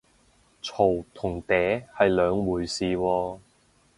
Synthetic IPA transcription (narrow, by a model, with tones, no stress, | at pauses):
t͡sʰo˨˩wt̪ʰʊ˨˩ŋt̪ɛː˨˥hɐ˨jlœː˨˧ŋwuː˨˩jsiː˨wɔː˧